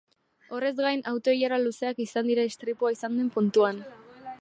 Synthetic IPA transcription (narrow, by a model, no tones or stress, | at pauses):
o̞re̞zɡajnawt̪o̞ijaɾaluse̞akisand̪iɾaest̪ɾipuaisand̪empunt̪uan